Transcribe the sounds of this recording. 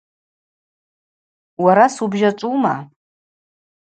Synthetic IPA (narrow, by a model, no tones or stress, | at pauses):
waɾasubʒat͡ʃʷʼuma̰